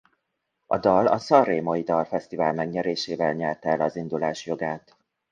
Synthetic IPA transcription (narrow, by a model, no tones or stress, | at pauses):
ɒ̰d̪ɒlɒsɒreːmojid̪ɒlfɛst̪ivaːlmɛɡɲɛɾeːʃeːvɛlɲɛlt̪ɛlɒzind̪ulaːʃjo̞ɡaːt̪